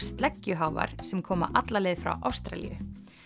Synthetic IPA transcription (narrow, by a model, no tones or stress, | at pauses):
st̪lɛcːʏɦaːwva̰ɾ̥sɛmkʰɔːma̰ʔat̪laleːjðfɾa̰wʔawst̪ɾa̰lḭjʏ̰